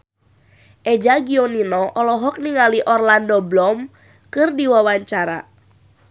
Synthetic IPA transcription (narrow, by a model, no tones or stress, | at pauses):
ʔed͡ʒaɡioninɔʔɔlɔɦɔk̚niŋaliʔɔrlandɔblɔm | kɨrdiwawaɲt͡ʃaɾa̰